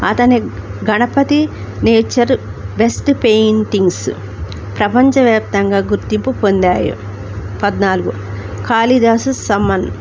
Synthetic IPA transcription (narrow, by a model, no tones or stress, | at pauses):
ɐ̰t̪ɐniɡɐnɐpɐt̪i | neːt͡ʃɐɾbesʈpejint̪iŋɡs | pɾɐpɐɲt͡ʃɐʋjaːp̚t̪ɐŋɡaːɡuɾt̪impupond̪aːjṵ | pɐd̪naːluɡu | kaːlid̪aːsusɐmːɐn